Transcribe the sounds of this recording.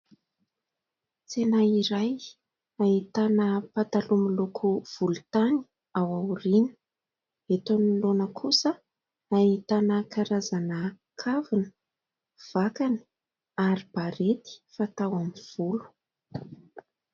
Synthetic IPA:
t͡senaiɾaj | ait̪anəpat̪alumilokʰuv̥ulut̪ani̥ | awaɾinə̥ | et̪onilonəkʰusə | ait̪anəkaɾazanə | kʰavinə̥ | v̥akani̥ | aɾib̥aɾet̪i̥fat̪awamiv̥ulu̥

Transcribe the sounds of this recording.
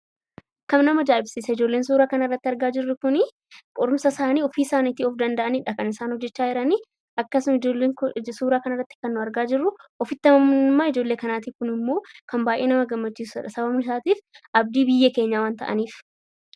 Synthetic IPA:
kɐmnɐmɐd͡ʒaːɪbsiːsɐɪd͡ʒo̞ːlːe̞ːnsuːɾaːkɐnɪrːɐt̪ːɪɐɾɡaːd͡ʒɪrːʊkʊnɪ | kʼɔɾʊmsɐsaːniːɔfiːsaːniːt̪iɔfd̪ɐnd̪ɐʔɐniᶑɐkɐnɪsaːnhɔd͡ʒːɛt͡ʃːaːɪɾɐni | ʔɐkːɐsʊmɪeːŋsuːɾaːkɐnɐrːɐt̪ːɪ̥kɐnːʊɐɾɡaːd͡ʒɪrːʊʔɔfɪt̪ːɐmɐmʊnɪmːaːɪd͡ʒo̞ːlːeːkɐnaːt̪iːkʊnɪmːo̞ːkɐmbaːjʔeːnɐmɐɡɐmːɐt͡ʃːiːsᶑɐsɐbɐbnʊsaːt̪iːfʔɐb̚d̪iːbɪjːɛke̞ːɲːaːwaːnt̪ɐ̰ʔɐ̰niːf

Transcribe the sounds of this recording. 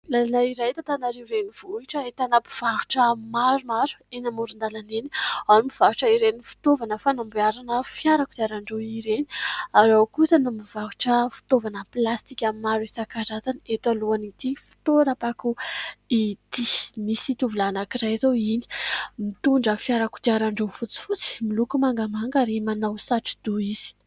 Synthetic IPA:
lalanaiɾajt̪ot̪anaɾewɾeniv̥oiʈ͡ʂəet̪anapiv̥aɦu̥ʈ͡ʂəmaɾumaɾu̥enamuɾund̪alanenianimiv̥aɦuʈ͡ʂəiɾenifi̥t̪ovanəfanambiaɾanəfjaɾakud̪aɾaɳɖ͡ʐoiɾeni̥aɾawkusanumivaɦu̥ʈ͡ʂəfi̥t̪ovanəplast̪ikʲamimaɾisakaɾazanet̪aluanit̪ifi̥t̪oɾapakuit̪imisit̪uvulanakiɾajzowini̥mit̪uɳɖ͡ʐəfiaɾaku̥d̪iaɾaɳɖ͡ʐefut͡si̥fut͡si̥milukumaŋɡamaŋɡaɾimanawsaʈ͡ʂi̥d̪̥uiz̥i̥

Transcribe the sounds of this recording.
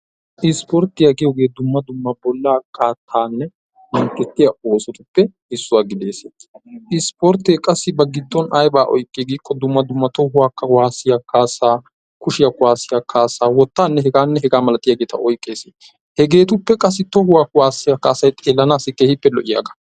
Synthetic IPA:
ʔɪspɔɾt̪ːɪjaɡɪjoɡe̞ːd̪ʊmːɐd̪ʊmːɐbɔlːaːkʰːaːt̪ʰːaːnːɛ | mɐŋkːɛt̪ːɪjɐo̞ːsɔt̪ʊpːɛ | ɪsːʊwaːɡɪd̪e̞ːseʔɪspɔɾt̪eːkʼɐsːɪbɐɡɪd̪ːɔnɐjbaːʔɔ̰jkʼːeɡiːkːɔd̪ʊmːɐd̪ʊmːɐt̪oɦʊwaːkːɐwaːsːɪjakaːsaː | kʊʃɪjɐkʊwaːsɪjakʰaːsaːwɔt̪ːaːnːɛɦɛɡaːnːɛɦɛɡaːmɐlɐt̪ɪjɐɡeːt̪ɐ̰ʔɔjkʼːe̞ːseː | hɛɡe̞ːt̪ʊpːɛkʼɐs̬ːɪt̪ːɔhʊwaːkwaːsːɪjakːaːsɐjt̪ʼeːlːɐnaːsɪkʼːeːhɪpːɛlɔʔɪja̰ːɡɐ̥

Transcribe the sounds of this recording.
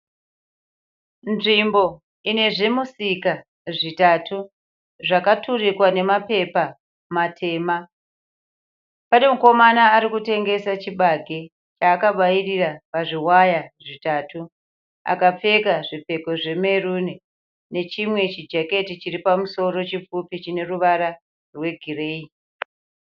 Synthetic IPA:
nʐimbo̞ | ine̞ʐe̞musika | ʐitaːtu | ʐakaturikwane̞mape̞pa | matʰe̞ːma | pane̞muko̞manaːɾikute̞ŋɡe̞sat͡ʃiɓaɡʱe | t͡ʃaːkaɓairirapaʐiwajaʐitaːtu | a̰kap͡fe̞kaʐipe̞ko̞ʐe̞me̞runi | ne̞t͡ʃimwe̞t͡ʃid͡ʒake̞tit͡ʃiripamuso̞ɾo̞t͡ʃip͡fupit͡ʃine̞ruʋaɾa | rwe̞ɡʱire̞ːi

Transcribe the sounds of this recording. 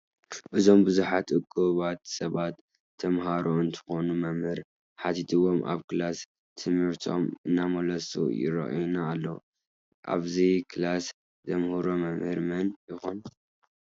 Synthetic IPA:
ʔɨzo̞mbɨzuħat̪ʼɨkʼːɨβat̪sɐβat̪ʰː | ɐmɦaɾoɨnt̪ʰɨ̥xo̞numɐmhɨɾ | ħat̪ʰit̪ʰɨwo̞mʔa̰βkɨlas | t̪ʰɨmɨɾt̪ʰʼo̞̰mɨnːamolɐsṵjɪ̰ɾɐ̰ʔnaːlːo | ʔa̰βzikʰɨlas | zɐmhuɾomɐmhɨɾmɐnjɪxon

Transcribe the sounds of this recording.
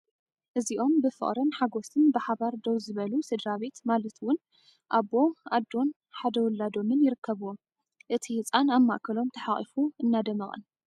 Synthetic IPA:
ʔɨziʔo̞mbɨfɨ̰χʼɾɨnħaɡosɨnbɨħaβaɾd̪owzɨβɐlused̪ɾaβe̞t̪malɐt̪wʊn | ʔabo̞ʔad̪ːo̞n | ħad̪ɐwʊlːad̪o̞mɨnjɪɾɨkːɐβuwo | ʔɨt̪ʰihɨt͡sʼanamːa̰ʔkʰɐlo̞mt̪ʰɐħaχʼifuɨnːad̪ɐmɐχʼɐ̰n

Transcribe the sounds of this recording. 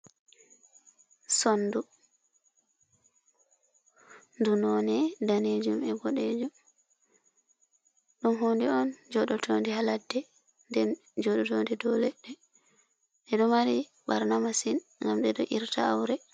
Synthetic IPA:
sɔndu | ndunɔnɛdaned͡ʒumɛɡɔɗed͡ʒum | ɗumɦondiɔnd͡ʒɔɗɔtʰondihaladːɛ | ndɛn | d͡ʒɔɗɔtondidɔlɛɗɛ | ɗɛɗɔmaɾi | baɾnamasinŋɡamɗɛɗɔʔiɾtaa̰wɾɛ

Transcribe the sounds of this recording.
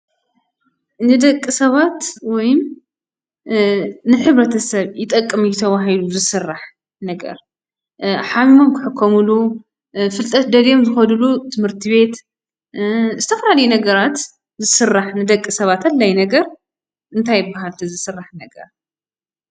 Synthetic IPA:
nɨd̪ɐkʼːɨsɐβat̪wɔjɪm | nɨħɨβɾɐt̪ʰɐsɐβjɪt̪ʼɐkʼːɨmujɪt̪ʰɐβaɦiluzɨsɨrːaħ | nɐɡɐ̰ɾ | ħamimo̞mkʰɨħɨkʰːomulu | fɨlt̪ʼɐt̪̚d̪ɐljo̞mzɨxɐlulut̪ʰɨmhɨɾt̪ʰiβe̞t̪ | zɨt̪ʰɐfɐlalɐjunɐɡɐɾat̪ | zɨsɨrːaħnɨd̪ɐkʼːɨsɐβat̪ʰɐlːajnɐɡɐɾ | ʔɨnt̪ʰajːɪbːaɦalt̪ʰɐzɨsɨrːaħnɐɡɐ̰ɾ

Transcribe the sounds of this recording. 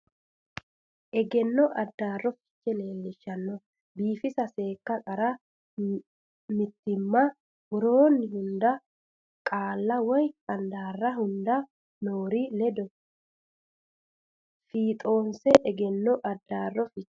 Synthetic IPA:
ʔɛɡɛnːɔʔɐd̪ːaːrːɔfɪ̥t͡ʃːɛne̞ːlːɪʃːɐnːɔ | biːfɪsɐse̞ːkːɐkʼɐɾɐ | mɪt̪ːɪmːɐ | ɡʊɾoːnːɪhʊnd̪ɐ | kʼaːlːɐwɔjɐnd̪aːrːɐɦʊnd̪ɐ | noːɾilɛd̪ɔ | fiːt̪ʼo̞ːnsɛʔɛɡɛnːɔʔɐd̪ːaːrːɔfɪt͡ʃː

